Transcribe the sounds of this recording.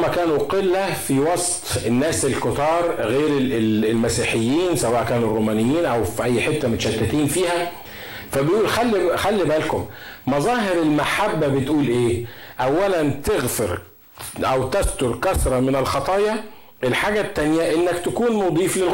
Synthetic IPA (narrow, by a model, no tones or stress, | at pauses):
mækæːnuqelːæfiwɑsˤt̪ˤenːæːselkot̪ɑːɾˤɣeːɾeelmæsiːħejːiːnsæwæːʔkæːnurːoːmæːnɪjːiːnʔæwfiʔæjːħet̪ːæmot̪ʃæt̪ːæt̪iːnfiːhæ | fæbejʔuːlxælːxælːibælkʊmmɑzˤɑːɦeɾelmaħabːæbet̪ʔuːlʔeːʔæwːælænt̪eɣfeɾ | ʔæwt̪æst̪oɾkæsɾˤɑmɪnelxɑt̪ˤɑːjɑ | ʔelħaːɡæt̪ːænjæʔenːækt̪ækuːnmod̪ˤiːflelɣ